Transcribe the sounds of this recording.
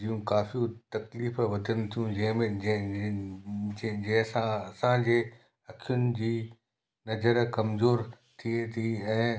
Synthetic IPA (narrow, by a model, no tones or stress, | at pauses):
ijũkaːfiut̪ɐkliːfʋɐd̪ʱənɪ̆t̪ʰijũd͡ʑɐ̃ɦmẽ | d͡ʑɐ̃ɦɪ̃sãɐsãd͡ʑeː | ɐkʰijʊnɪ̆d͡ʑiː | nɐzəɾkɐmzoːɾ | t̪ʰiet̪ʰiɛ̃ː